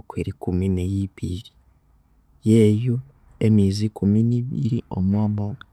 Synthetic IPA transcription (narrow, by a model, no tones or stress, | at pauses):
kweɾikuminejiβiɾi̥ | jeːju | emizikʰuminiβḭɾio̰mwaːmbaa